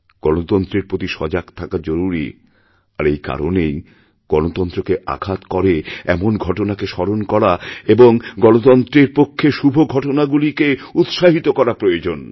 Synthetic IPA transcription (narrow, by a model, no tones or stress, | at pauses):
ɡ̥ɔnot̪ɔnt̪ɾeɾpɾot̪iʃɔd͡ʑaɡt̪ʰakad͡ʑoɾuɾḭ | a̰ɾejka̰ɾonej | ɡ̥ɔnot̪ɔnt̪ɾokeʔa̰ɡʱat̪kɔɾeɛmonɡʱɔʈonakeʃɔɾonkɔɾaeboŋɡɔnot̪ɔnt̪ɾeɾpokʰːeʃubʱoɡʱɔʈonaɡulikeut̪ʃaɦit̪okɔɾapɾojod͡ʑon